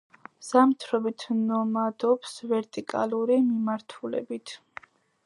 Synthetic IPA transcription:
z̥amt̪ʰɾɔbit̪ʰnɔmad̪ɔpsvɛɾt̪ʼikʼa̰lˠuɾimimaɾt̪ʰulɛ̰bit̪ʰ

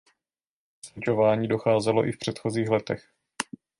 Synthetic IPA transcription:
sɛt͡ʃo̞vaːɲiːdo̞xaːzɛlo̞̰ʔɪfpr̝̥ɛt̪xo̞ziːxlɛt̪ɛx

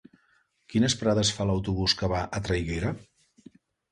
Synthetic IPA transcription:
kinəspɾaðəsfaləwt̪uβuskəβaʔət̪ɾajɣeɾə

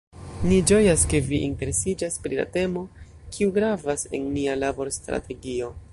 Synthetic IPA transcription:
nid͡ʒo̞jaske̞viʔinte̞ɾe̞sid͡ʒaspɾila̰te̞mo̞ | kʰiuɡɾavase̞̰nːialabo̞ɾstɾa̰te̞ɡio̞

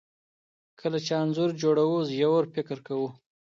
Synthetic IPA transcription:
kʰəlat͡ʃeanzʊɾd͡ʒoɽawuzjawoɾfɪkɾkawu

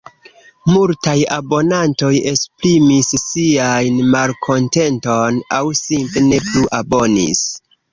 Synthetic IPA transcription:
multajabo̞nanto̞je̞spɾimisːiajnmalkʰo̞nte̞nto̞nawsimple̞ne̞pluʔabo̞nḭs

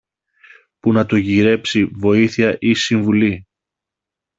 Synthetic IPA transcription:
punɐt̪oʝiɾe̞psivo̞iθiɐʔisiɱvuli

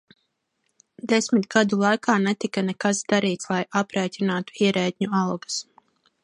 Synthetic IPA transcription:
d̪esmit̪ɡ̥ad̪ulˠajkʰaːnɛt̪ikanɛkasd̪aɾiːt̪slˠajapɾɛːc̪ʲinaːt̪u̥iɛɾɛːt̪ʲɲualˠɡas

